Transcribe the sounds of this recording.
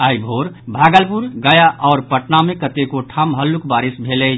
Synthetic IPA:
ajbʱoɾbʱaɡəlpuɾɡəjaʔɔːɾpəʈnamekət̪ekoʈʰamɦəlːukbaɾisbʱelɛ

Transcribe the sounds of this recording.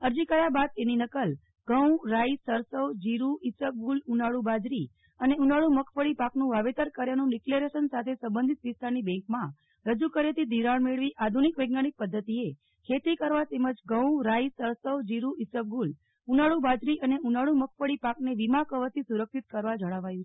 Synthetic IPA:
əɾd͡ʒikəɾjabad̪̚eninəkəl | ɡ̥əw̃ɾaisəɾsəʋd͡ʒiɾuisəp̚ɡulunaɭubad͡ʒɾi | əneunaɭũməkʰfəɭipaknũʋaʋet̪əɾkəɾjanũɖikleɾesənsat̪ʰesə̃mbənd̪ʱit̪ʋist̪aɾnibɛ̃ŋkmã | ɾəd͡ʒukəɾjet̪id̪ʱiɾaɳmeɭʋiʔad̪ʱunikʋejɡ̚naɽ̃ik̚pəd̪ʱːət̪ie | kʰet̪ikəɾʋat̪eməd͡ʒɡəwɾaisəɾsəwd͡ʒiɾuʔisəp̚ɡul | unaɭubad͡ʒɾiʔəneunaɭuməkʰfəɭipakneʋimakəʋət̪ʰisuɾəkʃit̪̚kəɾʋad͡ʒəɽ̃aʋajũt͡ʃʰe

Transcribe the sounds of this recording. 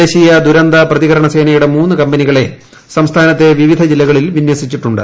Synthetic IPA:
eːɕijɐd̪uɾɐnd̪ɐprɐðiɣɐɾɐɳɐse̞ːnɐjuɽe̞muːnːɨkɐmbɐniɣɐɭe̞ | sɐmst̪ʰaːnɐt̪ːe̞ʋiʋid̪ʱɐd͡ʑilːɐɣɐɭilʋinwɐsit͡ɕːiʈːuɳɖɨ̰

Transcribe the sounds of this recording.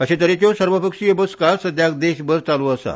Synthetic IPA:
əɕẽt̪̬əɾet͡ɕjɔsəɾʋəpəkʂiebəskasəd̪ʱjak̚d̪eɕbəɾt͡saluəsa̰

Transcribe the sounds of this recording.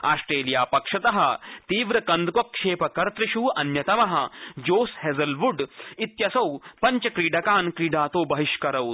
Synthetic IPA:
a̰ːsʈɾeːlijaːpɐkʂɐt̪ɐɦɐ̆t̪iːʋɾɐkɐnd̪kokʂeːpɐkɐɾt̪ɾiʃuːɐnjɐt̪ɐmɐɦɐ̆d͡ʒoːshezɐlʋuɖit̪jɐsɐwpɐɲt͡ʃɐkɾiːɖɐkaːnkɾiːɖaːt̪oːbɐɦiʃkɐɾɐw̪

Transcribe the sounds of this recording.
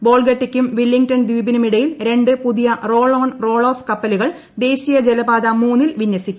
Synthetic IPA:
bo̞ːɭɡɐʈːikʲːumʋilːiŋɡtɐnd̪iːbinɐmiɽɐjilɾe̞ɳɖɨpuðijɐro̞ːɭo̞ːnro̞ːɭo̞ːfkɐpːɐluɣɐɭ | d̪e̞ːɕijɐd͡ʑelɐbaːd̪ɐmuːnːilʋinːɐsikʲːu

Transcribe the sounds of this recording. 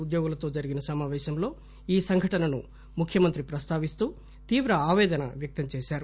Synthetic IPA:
ud̪joːɡulɐt̪o̞ːd͡ʒɐɾiɡinɐsɐmaːʋɛːʃɐmlo̞ː | iːsɐŋɡʱɐʈɐnɐnu | mukʰjɐmɐnt̪ɾipɾɐst̪ʰaːʋist̪uː | t̪iːʋɾɐaːʋɛːd̪ɐnɐ̰ʋjɐk̚t̪ɐmt͡ʃɛːʃaːɾu

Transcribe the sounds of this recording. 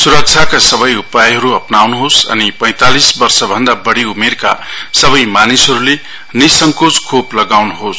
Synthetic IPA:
suɾʌk̚t͡sʰakasʌbʌjupajɦʌɾuʌpnawnuɦosʌ̰nipʌ̃j̃t̪alisbʌrsʌbʱʌnd̪abʌɽiumerka̰sʌβʌjmanisɦʌɾule | nisʌŋkod͡zkʰoplʌɡawnuɦos

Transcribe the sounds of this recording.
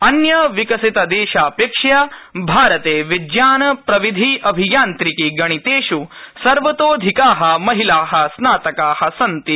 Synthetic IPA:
ɐnjɐʋikɐsit̪ɐd̪eːʃaːpeːkʂjaːbʱaːɾɐt̪eːʋid̪jaːnɐpɾɐʋid̪ʱiʔɐbʱijaːnt̪ɾikiɡɐɽ̃it̪eːʃusɐɾʋɐt̪oːd̪ʱikaːɦɐ̆mɐɦilaːɦɐ̆snaːt̪ɐkaːɦɐsɐnt̪i

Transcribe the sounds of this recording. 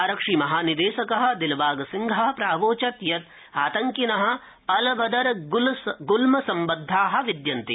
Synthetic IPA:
ɐɾɐkʂimɐɦaːnid̪eːʃɐkɐɦɐ̆d̪ilbaːɡɐsiŋɡʱɐɦɐpɾaːʋoːt͡ʃɐt̪jɐt̪ | aːt̪ɐŋkinɐɦɐ̆ | ɐlɐbɐd̪ɐɾlɡulmɐsɐmbɐd̪ʱːaːɦɐ̆ʋid̪jɐnt̪i

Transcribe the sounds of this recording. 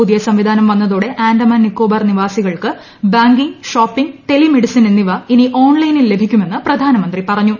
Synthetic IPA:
puðijɐsɐmʋid̪ʱaːnɐmʋɐnːɐðuːɽe̞ʔaːnɖɐmɐːnːikːoːbɐrniʋaːsiɣɐɭkɨ | baːŋɡiŋɡʂoːpːiŋɡʈe̞limeɽisɐnenːiʋɐiniʔo̞ːnlɐjnilːe̞bʱikʲːume̞nːɨprɐd̪ʱaːnɐmɐnd̪ripɐrɐɲːu

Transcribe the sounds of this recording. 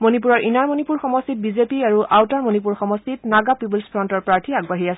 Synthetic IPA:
monip̬uɹɔɹʔinaɹmonipuɹxɔmɔstit̚bizepiaɹuʔawtaɹmonip̬uɹxɔmɔstitnaɡapibulspʰɹɔntɔɹpɹaɹtʰiaɡbaɦiasɛ

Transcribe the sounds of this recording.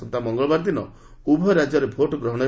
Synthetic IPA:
ɔnt̪amɔŋɡɔɭɔbaɾd̪inɔ̰ | ubʱɔɾad͡ʒɔɾebʱoʈɔɡɾɔɦɔɽ̃ɔ

